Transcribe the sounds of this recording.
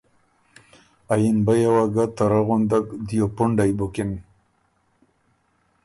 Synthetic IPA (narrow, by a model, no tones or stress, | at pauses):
ajinbajawaɡat̪aɾaɣond̪akd̪ijopʊɳɖajbokin